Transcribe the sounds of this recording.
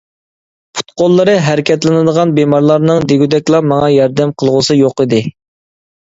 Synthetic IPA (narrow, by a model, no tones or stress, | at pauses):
pʰu̥t̪̚qolˠːɨɾɨɦæɾɪkʲʰɛt̪lɪnɨd̪əʁɑnbemɑɾlˠɑɾnɨŋd̪eɡʲyd̪ɛkʲlˠɑmɑŋɑjɑɾd̪ɛmqʰəlˠʁʊsɨjoqid̪ɪ